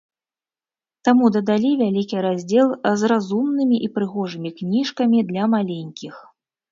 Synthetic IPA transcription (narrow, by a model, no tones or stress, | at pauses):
t̪amud̪ɐd̪alʲivʲalʲikʲiɾazʲd͡zʲɛlˠzrazumnɨmʲiʔipɾɨɣɔʐɨmʲiknʲiʂkɐmʲid̪lʲɐmalʲenʲkʲix